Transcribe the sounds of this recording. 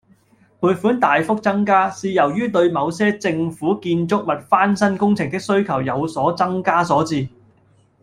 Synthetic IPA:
pʰuː˨tfuː˨˥nt̪aː˨jfʊ˥k̚t͡sɐ˥ŋkaː˥siː˨jɐ˨˩wjyː˥t̪ɵ˧ɥmɐ˨˧wsɛː˥t͡sɪ˧ŋfuː˨˥kiː˧nt͡sʊ˥k̚mɐ˨t̚faː˥nsɐ˥nkʊ˥ŋt͡sʰɪ˨ŋt̪ɪ˥k̚sɵ˥ɥkʰɐ˨˩wjɐ˨˧wsɔː˨˥t͡sɐ˥ŋkaː˥sɔː˨˥t͡siː˨˧

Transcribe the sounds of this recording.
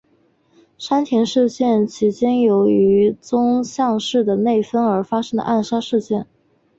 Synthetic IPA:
ʂa˥nt̪ʰjɛ˧˥nʂɻ̩˥˧ɕjɛ˥˩nt͡ɕʰi˧˥t͡ɕjɛ˥njo˧˥ʊy˧˥t͡sʊ˥ŋɕjɑ˥˧ŋʂɻ̩˥˩d̪ə˩ne˥˩ɪfə˥nə˞˧˥fa˥ʂɤ˥ŋd̪ə̰˨ʔa˥˩nʂa˥ʂɻ̩˥˧ɕjɛ˥˩n

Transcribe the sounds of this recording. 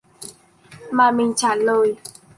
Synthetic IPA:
ma˧mĩ˧ɲ̩˦t͡ʃa˨lo˦i˦

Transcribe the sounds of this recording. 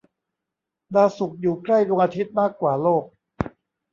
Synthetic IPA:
laː˧su˨˩k̚juː˨˩kɾa˥˩jɾo˧ŋʔa˧t̪ʰi˦˥t̪̚maː˥˩kːwaː˨˩loː˥˩k̚

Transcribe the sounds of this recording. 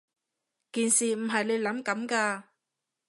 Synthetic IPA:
kiː˨nsiː˨m̩˨˩ɦɐ˨jne˨˧jlɐ˨˥mkɐ˨˥mkaː˧

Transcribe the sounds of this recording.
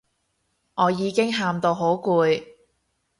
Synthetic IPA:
ŋʔɔː˨˧jiː˨˧kɪ˥ŋɦaː˧mt̪o˧wɦo˨˥wkuː˧j

